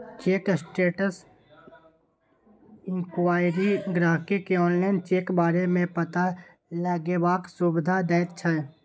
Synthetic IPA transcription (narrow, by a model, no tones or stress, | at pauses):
t͡ʃeːksʈeːʈəs | ɪ̃ŋkwaːɪɾiɡɾaːɦkekeɔːnlaːɪnt͡ʃeːkbaːɾemẽpət̪a | ləɡebaːksubɪd̪ʱad̪ɛːɪt̪t͡ʃʰɛ